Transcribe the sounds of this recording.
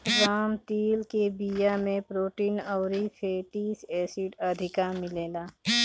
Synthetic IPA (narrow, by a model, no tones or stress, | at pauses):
ɾaːmt̪iːlkebijamẽpɾoːʈiːnɔːɾifʰeːʈiːseːsiɖɐd̪ʱɪkamɪleːlaː